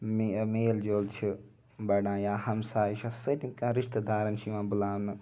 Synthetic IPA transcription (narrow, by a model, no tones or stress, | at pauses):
mmeːld͡ʒoːlt͡ʃʰi | bɐɽãːjaːhɐmsaːʃasɐʈ̪ikãːɾɪʃt̪d̪aːɾɐnʃiʋãːbʊlaːnɨ